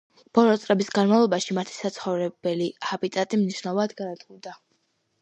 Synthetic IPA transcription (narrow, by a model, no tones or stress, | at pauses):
b̥ɔlɔt̪sʼɾɛbisɡanmavlˠɔbaʃimat̪ʰi̥sat̪sʰχɔvɾɛbɛliabit̪ʼat̪ʼimniʃnalˠad̪ɡaɾat̪ɡud̪a